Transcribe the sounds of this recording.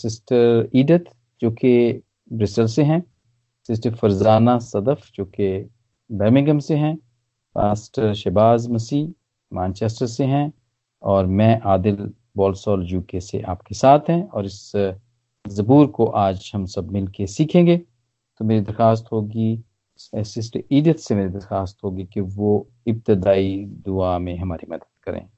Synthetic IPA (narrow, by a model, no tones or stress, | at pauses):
sɪsʈəɾiːɖət̪ | d͡ʒoːke | bɾɪsəlseɦɛ̃ | sɪs̬ʈəɾfɐɾzaːnasɐd̪əfd͡ʒoːke | bɛːɾmɪ̃ŋɡəmseɦɛ̃ | pa̰ːsʈəɾʃɛːbaːzmɐsiː | mãːnt͡ʃeːsʈəɾseɦɛ̃ | ɔːɾmɛ̃ʔaːd̪ɪl | bɔːlsɔːld͡ʒuːkesḛʔaːpkesaːt̪ʰɦɛ̃ɔːɾɪs | zɐbuːɾkoʔaːd͡ʒhɐmsɐbmɪlkesiːkʰẽːŋɡeː | t̪omeːɾid̪ɐɾxaːs̬t̪ɦoːɡi | sɪs̬ʈiːɖət̪semeːɾid̪ɐɾxaːst̪ɦoːɡikiʋo | ɪp̚t̪ɪd̪aːid̪ʊamẽɦɐmaːɾimɐd̪əd̪̥̚kɐɾḛ̃ː